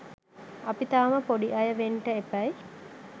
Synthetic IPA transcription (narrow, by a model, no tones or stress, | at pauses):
ɐpit̪aːməpoɖiʔɐjəʋeɳʈəepɐj